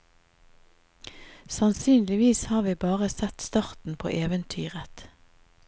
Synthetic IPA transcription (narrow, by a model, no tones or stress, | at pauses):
sɑnsyːnlɪʋiːshɑːʁʋiːbɑːʁəsɛt̪st̪ɑʁt̪n̩pʰo̰ːʔeːʋənt̪ʰyːʁət̪